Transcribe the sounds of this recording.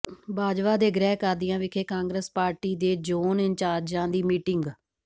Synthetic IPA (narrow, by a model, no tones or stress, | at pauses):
baːd͡ʒʋaːd̪eːɡɾɛːkəɾd̪ɪjãːʋɪkʰeːkãːŋɡɾeːspaːɾʈiːd̪eːd͡ʒoːnɪɲt͡ʃaːɾd͡ʒãːd̪iːmiːʈɪŋɡ